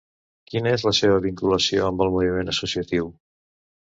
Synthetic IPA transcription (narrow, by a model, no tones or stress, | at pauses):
kinəezləseβəβiŋkuləsioəmbəlˠmuβimenəsusiət̪iw